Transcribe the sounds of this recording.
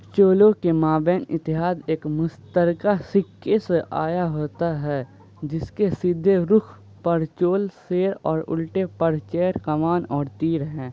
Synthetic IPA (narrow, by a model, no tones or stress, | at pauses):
t͡ʃoːlõkemaːbɛ̃ːnɪt̪ːɪɦaːd̪eːkmʊst̪əɾkasɪkːeseʔaːjaɦoːt̪aɦɛː | d͡ʒɪskesɪd̪ʱːeɾʊkʰ | pəɾt͡ʃoːlseːɾɔːɾʊ̰lʈepəɾt͡ʃeːɾkɐmaːnɔːɾt̪iːɾɦɛ̃ː